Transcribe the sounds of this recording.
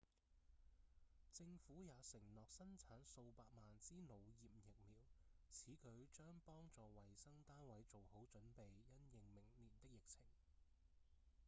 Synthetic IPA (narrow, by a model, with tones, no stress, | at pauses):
t͡sɪ˧ŋfuː˨˥jaː˨˧sɪ˨˩ŋlɔː˨k̚sɐ˥nt͡sʰaː˨˥nso˧wpaː˧k̚maː˨nt͡siː˥no˨˧wjiː˨p̚jɪ˨k̚miː˨wt͡sʰiː˨˥kʰɵ˨˥ɥt͡ʃœː˥ŋpɔː˥ŋt͡sɔː˨wɐ˨˩jsɐ˥ŋt̪aː˥nwɐ˨˥jt͡so˨who˨˥wt͡ʃɵ˨˥npe˨jjɐ˥njɪ˨ŋmɪ˨˩ŋliː˨˩nt̪ɪ˥k̚jɪ˨k̚t͡sʰɪ˨˩ŋ